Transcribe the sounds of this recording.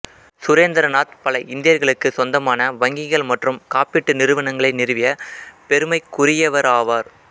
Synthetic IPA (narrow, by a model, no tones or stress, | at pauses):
sʊɾeːnd̪ɐɾɐnaːt̪pɐlɐʔɪnd̪ɪjɐɾɣɐɭɯkːɯsɔnd̪ɐmaːnɐʋɐŋɡɪɣɐɭmɐʈrɯmkaːpɪʈːɯnɪɾɯʋɐɳɐŋɡɐɭɐɪnɪɾɯʋɪjɐpɛɾɯmɐɪkːʊɾɪjɐʋɐɾaːʋaːɾ